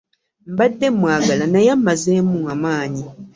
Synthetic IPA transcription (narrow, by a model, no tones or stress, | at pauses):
m̩badːemwaːɡalanajamːazeːmuamaːɲi